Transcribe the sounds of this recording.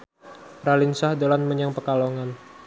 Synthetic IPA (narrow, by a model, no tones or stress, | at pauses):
ralinsahdolanməɲaŋpəkaloŋan